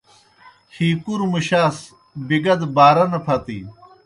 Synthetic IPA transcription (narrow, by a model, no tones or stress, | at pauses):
hiːkuɾmuɕaːs | biɡɐd̪baːɾɐnɐpʰɐt̪ḭː